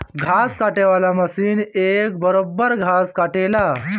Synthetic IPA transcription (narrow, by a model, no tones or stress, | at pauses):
ɡʱaskaʈeʋalaməsiːnek̚bəɾobːəɾɡʱaskaʈela